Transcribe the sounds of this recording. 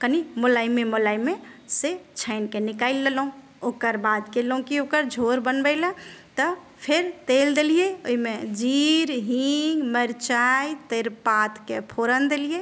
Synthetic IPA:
kənimolaimemolaimeset͡ʃʰəɪnkenikaɪlːeləũ | okəɾbad̪kelũkiokəɾd͡ʒʱoɾbənbəɪlə̃t̪ə | pʰeɾt̪eld̪elijeoimed͡ʒiɾɦĩŋɡməɾt͡ʃajt̪eɾpat̪kepʰoɾənd̪elije

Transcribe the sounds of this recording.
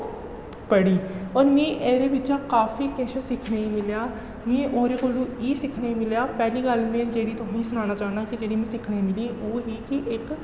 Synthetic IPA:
pəɽiːɔːɾmẽːʔeːɾeːʋɪt͡ʃãːkaːfiːkẽːʃə̃sɪkʰneːiːmɪljaː | mẽːʔoːɾeːkoːluːiːsɪkʰneːĩmɪljaːpɛːliːɡəlmẽːd͡ʒeːɽiːt̪ʊɦĩsʊnaːñaːt͡ʃaːɦnãːkid͡ʒeːɽiːmẽːsɪkʰneːmɪlĩːoːɦiːkɪʔɪk

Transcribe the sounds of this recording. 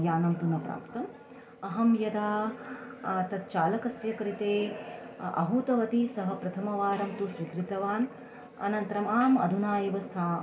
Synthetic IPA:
jaːnɐmt̪unɐpɾa̰ːpt̪ɐm | ɐɦɐmjɐd̪aː | t̪ɐt̪̚t͡ʃaːlɐkɐsjɐkɾit̪eː | ɐ̰ɦut̪ɐʋɐt̪isɐɦɐpɾɐt̪ʰɐmɐʋaːɾɐmt̪usʋikɾit̪ɐʋaːn | ɐ̰nɐnt̪ɾɐmaːmɐ̰d̪ʱunaːjeʋɐst̪ʰaː

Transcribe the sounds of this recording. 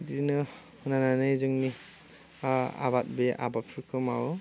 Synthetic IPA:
dinɯ | hɯnananɯjzɯŋni | a̰bat̚beʔa̰bap̚pʰuɾkʰɯmaw

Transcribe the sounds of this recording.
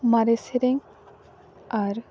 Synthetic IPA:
maɾeseɾeŋ | aɾ

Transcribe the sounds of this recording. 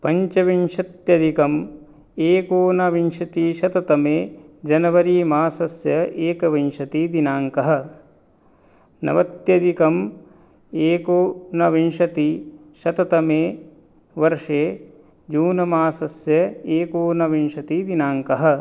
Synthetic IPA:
pɐɲt͡ʃɐʋinʂɐt̪jɐd̪ikɐm | eːkoːnɐʋinʃɐt̪iʃɐt̪ɐt̪ɐmeːd͡ʒɐnɐʋɐɾiːmaːsɐsjɐʔeːkɐʋinʂɐt̪id̪inaːŋkɐɦɐ̆ | nɐ̰ʋɐt̪jɐd̪ikɐm | eːkoːnɐʋinʃɐt̪i | ʃɐt̪ɐt̪ɐmeː | ʋɐɾʂeː | d͡ʒuːnɐmaːsɐsjɐeːkoːnɐʋinʃɐt̪id̪inaːŋkɐɦɐ̆

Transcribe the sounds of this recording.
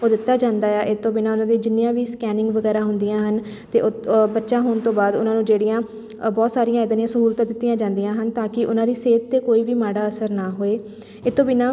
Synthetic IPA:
oːd̪ɪt̪ːaːd͡ʒãːnd̪aːɛːʔɪt̪ːõːbɪnaːʊnãːd̪eːd͡ʒɪnːɪjãːʋiːskɛːnɪ̃ŋɡʋəɡɛːɾaːɦʊnd̪ijãːɦən | t̪ḛːʔobətːʃaːɦoːɳt̪õːbaːd̪ʊnãːnũːd͡ʒeːɽijãː | bɔːt̪saːɾijãːɪd̪nijãːsəɦuːlt̪ãːd̪ɪt̪ːɪjãːd͡ʒãːnd̪ijãːɦənt̪ãːkɪʔʊnãːd̪iːseːt̪ːeːkoːiːʋiːmaːɽaːəsəɾnaːɦoːeː | ɪt̪ːõːbinãː

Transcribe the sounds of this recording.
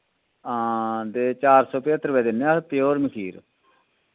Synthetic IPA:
aːd̪eːt͡ʃaːɾsɔːpeːt̪ɾʋɛːd̪ɪnːeaːt̪ɪjoːɾməkʰiːɾ

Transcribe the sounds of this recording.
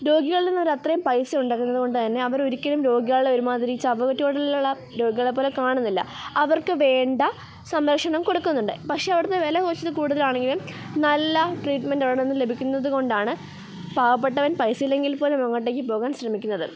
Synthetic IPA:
ɾo̞ːɡiɣɐɭilenːɐʋɐɾɐt̪rɐjumpɐjsɨuɳɖaːɣunːɐðɨko̞ɳɖɨt̪ɐnːe̞ɐʋɐɾo̞ɾikʲːɐlumɾo̞ːɡiɣɐɭɭeoɾumaːd̪iɾikːit͡ɕːɐɐʋɐɣɐtːijoɽɐuɭːɐ | ɾo̞ːɡiɣɐɭepːoːlekaːɳunːilːɐ̰ɐʋɐrkɨʋe̞ːɳɖɐ | sɐmɾɐkʂɐɳɐmko̞ɽukːunːuɳɖɨpɐkʂe̞ːɐʋirt̪ːeʋelɐkoːt͡ɕːɐðɨkuːɽuðɐlaːɳe̞ŋɡilum | nɐlːɐʈriːʈmenɖɐʋɭɐɳnenːɨle̞bʱikʲːunːɐðɨko̞ɳɖaːɳɨ | paːʋɐpːe̞ʈːɐʋɐnpɐjsɨilːe̞ŋɡilpo̞ːlemɐŋːɐʈːeːkːɨpo̞ːɣaːnɕrɐmikʲːunːɐðɨ̰

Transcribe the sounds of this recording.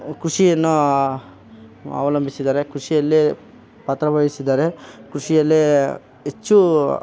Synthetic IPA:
kɾuʂijɐnːu | a̰ːʋɐlɐmbʱisid̪aːɾekɾuʂijɐlːi | pɐt̪ɾɐbɐjisid̪aːɾekɾuʂijɐlːi | et͡ʃːu

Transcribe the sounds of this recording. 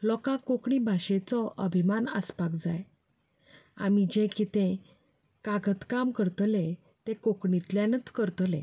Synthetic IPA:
lɔkãkokɳibʱaɕet͡sɔʔəbʱimanə̰spakd͡zaj | a̰mid͡ʑẽkit̪ẽ | kaɡət̪kamkəɾt̪le | t̪ẽkokɳit̪ljãnət͡skəɾt̪lḛ̃

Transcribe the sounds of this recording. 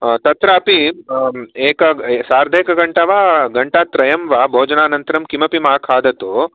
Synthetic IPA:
t̪ɐt̪ɾaːpi | eːkɐsaːɾd̪ʱeːkɐɡɐɳʈɐʋaːɡɐɳʈaːt̪ɾɐjɐmʋaːbʱoːd͡ʒɐnaːnɐnt̪ɐɾɐmkimɐpimaːkʰaːd̪ɐt̪oː

